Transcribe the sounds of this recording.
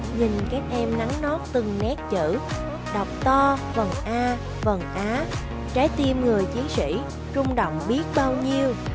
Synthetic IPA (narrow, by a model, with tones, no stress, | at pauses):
ɲi˨˩ŋkaː˦˥k̚ʔɛ˧mna˨˦ŋnɔ˦˥t̚t̪ɨ˨˩ŋnɛ˦˥t̚t͡ɕɨ̰˧˥ | ɗa˨˩wk͡p̚t̪ɔ˧və˨˩ŋʔaː˧ | və˨˩ŋʔaː˨˦ | t͡ɕaː˨˦jt̪i˧əmŋɨ˨˩əjt͡ɕi˨˦əŋsḭ˧˥ | t͡ɕʊ˧ŋ͡mɗo̰˧˨wŋ͡mɓi˦˥ət̚ɓaː˧wɲi˧əw